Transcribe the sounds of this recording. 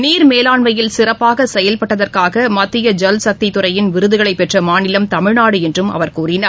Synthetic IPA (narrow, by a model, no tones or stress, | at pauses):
niːɾmeːlaːɳʋɐjɪlsɪrɐpːaːɣɐsɛjɐlpɐʈːɐðɐrkaːɣɐmɐt̪ːɪjɐd͡ʒɐlsɐk̚t̪ɪt̪ːʊrɐjɪnʋɪɾɯðɯɣɐɭɐɪpːɛʈrɐmaːnɪlɐmt̪ɐmɪɻnaːɽɯɛndrɯmɐ̰ʋɐɾkuːrɪnaː